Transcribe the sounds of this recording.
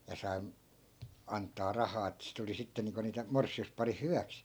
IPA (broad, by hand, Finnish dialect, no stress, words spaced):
jɑ sɑi ɑntˑɑː rɑhɑː etːæ sit oli sitːe niːŋko niːtæ morsˑiuspɑrih hyʋæks